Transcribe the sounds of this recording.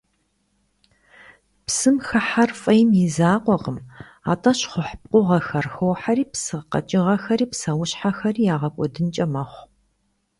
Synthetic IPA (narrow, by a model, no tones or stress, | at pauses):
psɨmxɐħarfʼɐjɪmjɪzaːqʷɔqəm | a̰ːtʼɐɕχʷʊħp̚qʷʼʊʁɐxɐrxowħaɾiːpsɨqɐ̰t͡ʃʼɪʁɐxɐɾiːpsɐwʊɕħaxɐriːjaːʁɐkʷʼɔdɨnt͡ʃʼɐmɐχʷ